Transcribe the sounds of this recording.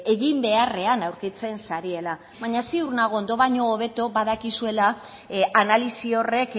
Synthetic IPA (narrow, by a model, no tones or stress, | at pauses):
e̞ɣimbe̞are̞anawɾkit͡se̞nsaɾie̞la | βaɲasiuɾnaɣ̞ond̪o̞βaɲo̞ːβ̞e̞t̪o̞βaðakisue̞la | analisio̞re̞k